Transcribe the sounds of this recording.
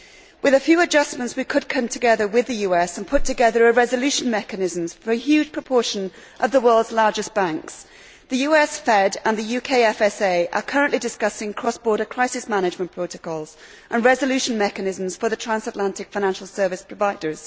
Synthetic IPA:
wʔɨðəfjʉːəd͡ʒʌsmə̃ntswikʰɨd̚kʰʌ̃mtʰɨɡɛðəwɪðɨjʉɛsə̃npʰʊtʰɨɡɛðə˞əɹɛzəlʉʃə̃nmɛkɨnɪzə̃mz̥fə˞ɨhjʉːd̥ʒ̥pʰɹ̥əpʰɔɹʃə̃n | ʔəvðəwɜ˞lˠdzlɑɹd͡ʒɨsb̥ãŋks | ðɨjʉːɛsfɛdə̃nðɨjʉkʰeɪɛfɛseɪʔə̰kʰʌɹə̃nʔlʔidɪskʌsɪ̃ŋkʰɹ̥ɔsb̥ɔɹɾəkʰɹ̥aɪsɪsmanɪd͡ʒmə̃npʰɹ̥oʊɾəkʰɔlˠz̥ | ʔə̃nɹɛzəlʉʃə̃n̩mɛkɨnɪzə̃mz̥fə˞ðɨtʰɹ̥æ̃nsətˡlãntɪkfaɪ̃næ̃nʃl̩ˠsɜ˞vɨspʰɹ̥əvaɪdə˞z̥

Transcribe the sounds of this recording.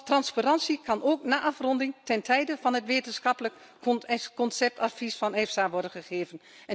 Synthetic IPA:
trɑnsparɑnsikʰɑnoːknaːʔɑfrɔndɪŋtɛntʰɛjdəvɑnɦətʋeːtənsxɑplək | kɔnsɛp̚tʰafisfɔnɛfsaʋɔɹdənχəχeːvən | ɛ

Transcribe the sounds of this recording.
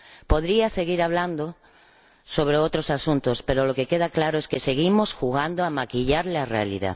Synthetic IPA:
po̞ðɾiase̞ɣiɾaβ̞land̪o | so̞β̞ɾeot̪ɾosasunt̪ospe̞ɾoloke̞keð̞aklaɾoeskese̞ɣimosxuɣ̞and̪oamakiʎaɾlearḛa̰lḭða̰ð

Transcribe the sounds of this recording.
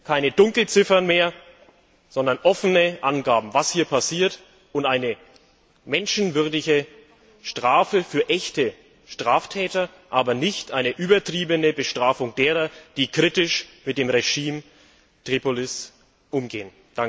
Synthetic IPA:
kʰaɪnədʊŋkl̩t͡sɪfɐnmeːɐ | z̥ɔndɐnʔɔfənəʔanɡaːbm̩vashiːɐpʰasiːɐt | ʊntʔaɪnə | mɛnʃn̩vʏɐdɪçə | ʃtʁ̥aːfəfyːɐʔɛçtə | ʃtʁ̥aːftʰɛːtɐ | ʔaːbɐnɪçtʔaɪnəʔyːbɐtʁ̥iːbənəbəʃtʁ̥aːfʊŋdeːʁɐd̥iːkʁ̥itɪʃmɪt̚d̥eːmʁeʒiːm | tʁ̥iːpolɪs | ʔʊmɡeːən | a

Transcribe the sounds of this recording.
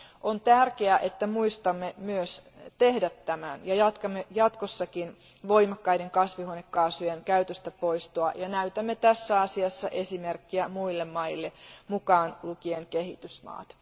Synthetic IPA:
ʔont̪ærkeæʔet̪ːæmuist̪ɑmːemyøs | t̪ehdæt̪ːæmænjɑjɑt̪kɑmːejɑt̪kosːɑkin | ʋo̞imɑkːɑiɾeŋkɑsʋihonekːɑːsujenkæyt̪øst̪æpo̞ist̪oɑjɑnæyt̪æmːet̪æsːæɑsiɑsːɑʔesimerkːiæmuilːemːɑilːemukɑːnlukieŋkeɦit̪ysmɑ̰ːt̪

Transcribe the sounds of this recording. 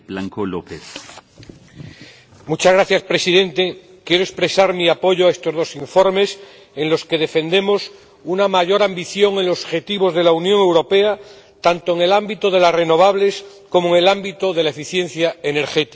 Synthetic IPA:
blaŋkolopeθ | mut͡ʃazɣɾaθjaspɾe̞siðẽ̞nt̪e̞ | kje̞ɾo̞espɾe̞saɾmiapo̞ʝoae̞st̪o̞zð̞o̞siɱfo̞ɾme̞s | e̞ŋlo̞ske̞ð̞e̞fe̞nd̪e̞mo̞s | unamaʝo̞ɾambiθjo̞ŋe̞nlosoxe̞t̪iβo̞zð̞e̞launjõ̞ŋewɾo̞pe̞a | t̪ant̪oeŋe̞lambit̪oðe̞lasre̞no̞β̞aβle̞s | ko̞moeŋe̞lambit̪oðe̞lae̞fiθje̞nθjae̞ne̞ɾxet̪i̥

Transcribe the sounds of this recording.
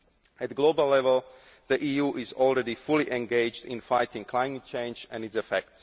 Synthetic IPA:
ætɡloʊbəlːɛvəlˠ | ðiʔiːjuːʔɪzɔlˠɹɛdifʊliʔɛ̃nɡeɪd͡ʒdɪ̰̃nfaɪtɪ̃ŋkʰlaɪmət̚t͡ʃʰẽɪ̃nd͡ʒɛ̃nɨtsɛfɛk̚ts

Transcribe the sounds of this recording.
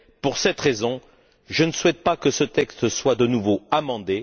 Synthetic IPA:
puʁsɛt̪ʁezɔ̃ | ʒənəswɛt̪̚pakəsət̪ɛkst̪əswad̪ənuvoamɑ̃d̪e

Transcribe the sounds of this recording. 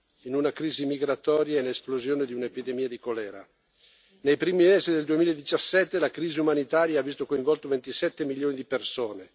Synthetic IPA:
inunakɾiːzimiɡɾat̪ɔːɾjaenesplozjoːned̪iunepid̪emiːad̪ikolɛːɾa | nejpɾiːmimeːzid̪eld̪uemiːlaed̪it͡ʃasːɛt̪ːelakɾiːziumanit̪aːɾjaavːist̪okoiɱvɔlt̪ovent̪isɛt̪ːemiljoːnid̪ipersoːne

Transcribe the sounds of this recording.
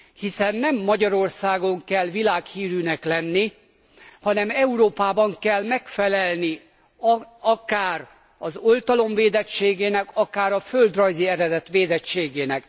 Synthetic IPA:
hisɛnːɛmːɒɟɒɾo̞rsaːɡo̞ŋkɛlʋilaːkhiːɾynɛklɛnːi | hɒnɛmɛuɾoːpaːbɒŋkɛlmɛkfɛlɛlni | ɒkaːr | ɒzo̞lt̪ɒlo̞ɱveːd̪ɛt͡ʃːeːɡeːnɛkɒkaːɾɒføld̪rɒjziɛɾɛd̪ɛt̪ʋeːd̪ɛt͡ʃːeːɡeːnɛk

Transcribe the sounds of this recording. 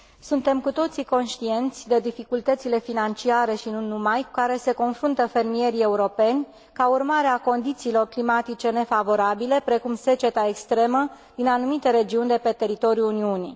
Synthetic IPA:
sunt̪e̞mkut̪o̞t̪siko̞nʃt̪ie̞nt̪sʲd̪e̞d̪ifikult̪ət̪sile̞finant͡ʃiaɾe̞ʃinunumajku̥kaɾe̞se̞ko̞nfɾunt̪əfe̞rmije̞ɾie̞uɾo̞pe̞nʲ | kaurmaɾeako̞nd̪it̪siːlo̞rklimat̪it͡ʃe̞ne̞favo̞ɾabile̞pɾe̞kumse̞t͡ʃe̞t̪ae̞kst̪ɾe̞mə | d̪̥inanumit̪e̞ɾe̞d͡ʒiunʲd̪e̞pe̞t̪e̞ɾit̪o̞ɾjuuniunḭ

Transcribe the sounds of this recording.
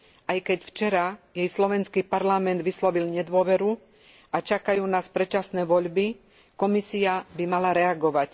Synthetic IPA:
ʔajkɛcft͡ʃɛɾajɛjslɔʋɛnskiːpaɾlamɛnd̪ʋislɔʋilɲɛd̪ʊɔʋɛɾu | at͡ʃakajuːnaspɾɛt͡ʃasnɛːʋɔʎbi | kɔmisiabimalaɾɛaɡɔʋac

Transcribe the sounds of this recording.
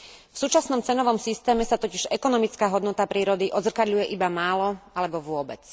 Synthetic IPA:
fsuːt͡ʃasnɔmt͡sɛnɔʋɔmsist̪ɛːmɛsat̪ɔciʒɛkɔnɔmit͡skaːɦɔd̪nɔt̪apɾiːɾɔd̪iʔɔzrkad̪ʎujɛʔibamaːlɔalɛbɔʋʊɔbɛ̰t͡s

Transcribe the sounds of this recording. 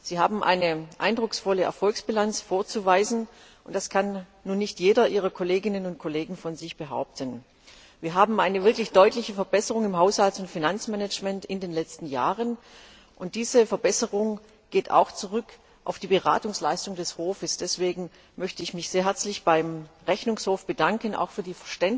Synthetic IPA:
z̥iːhaːbm̩ʔa̰ɪnəʔa̰ɪndʁʊksfɔləʔɛ̰ɐfɔlksb̥ilant͡sfoːɐt͡suvaɪzn̩ | ʔʊnt̚d̥askʰanː | uːnːɪçtjeːɾɐʔiːʁɐkʰoleːɡɪnənʊnt̚kʰoleːɡŋ̩fɔnzɪçb̥əɦa̰ʊp̚tʰən | viːɐɦaːbm̩ʔaɪnəvɪɐklɪçd̥ɔʏtlɪçəfɛɐbɛsəʁʊŋɪmɦaʊshaltʊntfinant͡smɛnɛt͡ʃmɛntɪndeːnlɛt͡stn̩ja̰ːʁən | ʔʊnt̚d̥iːzəfɛɐbɛsəʁʊŋ | ɡ̥eːta̰ʊxt͡suʁ̞ʏk | ʔa̰ʊfd̥iːbəʁa̰ːtʊŋslaɪstʊŋdɛshoːfəsd̥ɛsv̥eːɡŋ̩ | mœçtəɪçmɪçz̥eːɐɦɛɐt͡slɪçb̥aɪmʁɛçnʊŋshoːfb̥ədaŋkəna̰ʊxfyːɐdiːfɛɐʃtɛn

